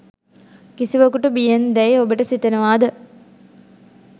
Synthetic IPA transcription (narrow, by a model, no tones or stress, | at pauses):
kisiʋɐkuʈubijend̪ɛjobəʈəsit̪enəʋaːd̪ə